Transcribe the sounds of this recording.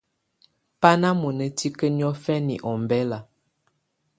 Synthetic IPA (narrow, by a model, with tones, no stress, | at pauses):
pa˦na˦mu˨nə˨ti˦kə˦n˦ɔ˦fɛ˦nḭ˨ʔɔ˨mbɛ˦la˨